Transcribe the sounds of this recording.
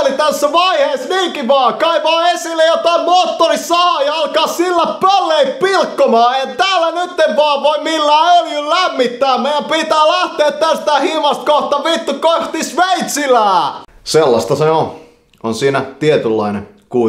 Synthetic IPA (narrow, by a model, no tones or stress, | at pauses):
lit̪æsːæʋɑiheːsniːŋkiʋɑːkɑiʋɑːesilːejot̪ɑimmoːt̪ːorissɑːɑjɑɑlkɑːssilːæppælːeip̪̚pilkːomɑːent̪æːlːænyt̪ːeʋʋɑːʋoimilːæːøljollæmːit̪ːæːmeijæmpit̪æːlæht̪eːt̪t̪æst̪æːhimɑst̪̚koht̪ɑʋit̪ːukoht̪isʋeit̪silæːselːɑ̰st̪ɑseo | onsiːnæt̪iet̪ylːɑ̰inḛ | ku